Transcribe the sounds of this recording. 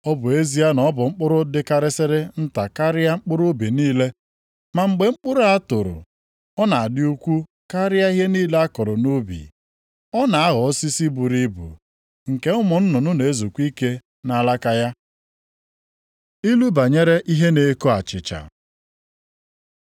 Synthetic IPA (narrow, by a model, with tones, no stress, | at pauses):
ɔ˦bʊ˨e˦zi˦a˦nɔ˨˦bʊ˨ŋ͡m̩˦k͡pʊ˦ɾʊ˦dɪ˦ka˦ɾɪ˦sɪ˦ɾɪ˦n̩˦ta˨ka˦ɾɪ˦a˦ŋ͡m̩˦k͡pʊ˦ɾʊ˦bi˨niː˦le˦ | ma˨ŋ͡m̩˨ɡ͡be˨ŋ͡m̩˦k͡pʊ˦ɾʊ˦a˦tʊ˨ɾʊ̰˨ | ɔ˦na˨a˨dɪ˦u˦kʷu˦ | ka˦ɾɪ˦a˦i˦ɦe˦niː˦le˦a˦kɔ˨ɾʊ˨no˦bḭ˨ | ɔ˦na˨a˦ɣɔ˨˦si˦si˦bu˨ɾi˦bṵ˨ | ŋ̩˨ke˦ʊ˦mʊ˨n̩˦nʊ˨nʊ˦ne˨˦zu˨kʷi˦ke˦ | na˦la˦ka˦ja˦ | i˦lu˦ba˨ɲe˦ɾe˦ʔi˦ɦe˦ne˨˦ko˦a̰˨t͡ʃɪ̰˨t͡ʃa̰˨